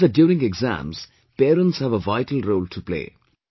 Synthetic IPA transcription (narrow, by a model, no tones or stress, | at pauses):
ədjuːɾɪ̃ŋeɡzæ̰̃mz̥ | peːɾə̃nʈshæʋəʋaɪʈəlɾoːlʈʰuplḛː